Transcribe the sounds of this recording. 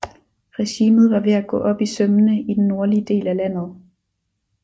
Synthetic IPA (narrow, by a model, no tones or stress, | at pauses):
ʁɛɕiːmð̞̩ˠʋɑ̈ʋe̝æɡ̥ɔ̰̽ːʔɒ̽b̥isømənəid̥enːo̝ɐliəd̥e̝̰ːlælæn̰ð̩ˠ